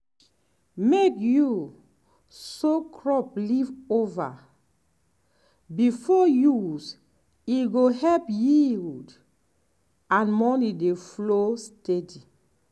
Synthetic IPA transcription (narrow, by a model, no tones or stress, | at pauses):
mekju | sokʰɹɔplivova̰ | bifɔjus | iɡohɛlpjid | ãnmɔnideflostedi